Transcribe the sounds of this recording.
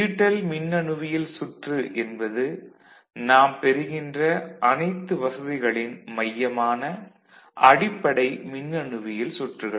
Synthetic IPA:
iːʈːɐlmɪnːɐɳɯʋɪjɪlsʊʈrɯʔɛnbɐðɯ | naːmpɛɾɯɣɪndrɐʔɐnɐɪt̪ːɯʋɐsɐðɪɣɐɭɪnmɐjːɐmaːnɐ | ʔɐɽɪpːɐɽɐɪmɪnːɐɳɯʋɪjɪlsʊʈrɯɣɐ

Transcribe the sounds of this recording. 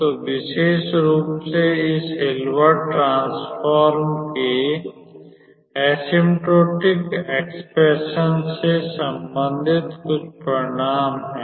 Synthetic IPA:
t̪oːʋɪʃeːʃɾuːpseɪsɦelwəʈʈːɾãːsfaːɾmke | ɛːsɪ̃mʈɾoːʈɪkeːkspɾeʃənsesə̃mbə̃nd̪ʱɪt̪kʊt͡ʃʰpɾəɽ̃aːmɦɛ̃ː

